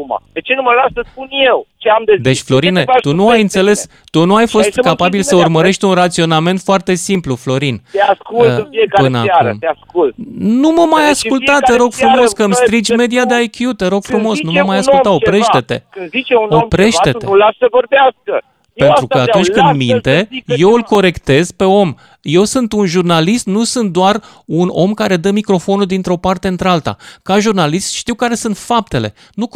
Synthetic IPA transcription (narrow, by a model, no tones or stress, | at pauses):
uma̰d̪et͡ʃe̞numəlaʃsəspunjewt͡ʃeamd̪ezd̪e̞t͡ʃʲflo̞ɾinet̪unuajɨnt̪se̞le̞s | t̪unuajfo̞st̪kapabilsəurməɾe̞ʃt̪ʲunrat̪sio̞name̞nt̪foart̪e̞simpluflo̞ɾint̪easkulɨnfiekapɨena̰aə̰mt̪easkult̪numəmajaskult̪att̪eɾo̞ɡfɾumo̞skəmst̪ɾid͡ʒʲme̞d̪iad̪eajkʲjut̪eɾo̞ɡ̥fɾumo̞snuməmajasult̪aopɾe̞ʃt̪e̞t̪e̞̰kɨnzit͡ʃeuopɾe̞ʃe̞t̪eulasəvorbeaskə | pe̞nt̪ɾuəat̪unt͡ʃʲkɨnmint̪e̞je̞wɨlko̞ɾe̞kt̪e̞z̥pe̞o̞m | je̞wsɨnt̪unʒurnalist̪nusɨnt̪̚d̪oar | uno̞̰mkaɾe̞d̪əmikɾo̞fo̞nuld̪int̪ɾeo̞part̪e̞ɨnt̪ɾealt̪a̰kaʒurnalist̪ʃt̪iwkaɾe̞sɨnt̪fap̚t̪e̞le̞̰ | nu